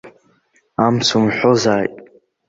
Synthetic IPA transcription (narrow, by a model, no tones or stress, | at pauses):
amsumħʷozaːjtʼ